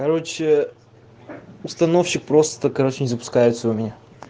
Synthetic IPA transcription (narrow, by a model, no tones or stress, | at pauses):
kɐɾɔt͡ʃɛ | ʊst̪ɐnofʃik̚pɾɔst̪t̪əkɐɾot͡ʃɛnʲizɐpʊ̥skaɛt̪sʊmʲinʲa